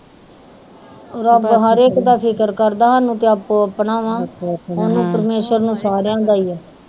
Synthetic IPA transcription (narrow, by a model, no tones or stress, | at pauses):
oːɾəpɦəɾeːkd̪aːpʰɪkəɾkəɾd̪aːɦaːnũːt̪eːaːpoːəpɳaːʋãːonũːpəɾmeːʃəɾnũːsaːɾjãːd̪aːiːɛː